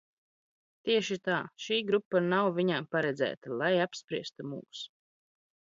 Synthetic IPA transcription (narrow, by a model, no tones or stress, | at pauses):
t̪iɛʃit̪aːʃiːɡɾupːanawvʲiɲampaɾɛd̪zæ̰ːt̪alˠajapspɾiɛst̪umṵːs